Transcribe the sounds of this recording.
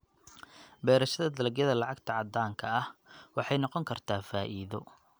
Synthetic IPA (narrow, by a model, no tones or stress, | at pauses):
bɛːɾɐʃɐðɐd̪ɐlɐɡjɐðɐlɑʕɑɡt̪ʰɐʕɑd̪aːŋkʰɐɐhwɑħɑjnɔqɔŋkʰɐrt̪ʰaːfaːʔiːðɔ